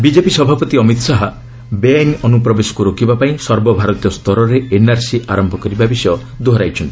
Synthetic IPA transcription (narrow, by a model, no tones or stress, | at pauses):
bid͡ʒepisɔbʱapɔt̪iɔmit̪ɔsaɦa | beanɔnupɾɔbesɔ̥kuɾokibapaĩsɔɾbɔbʱaɾɔt̪ijɔst̪ɔɾɔɾeenaɾsiʔaɾɔmbʱɔkɔɾibabisjɔ | d̪oɦɔɾajt͡ʃʰɔnt̪i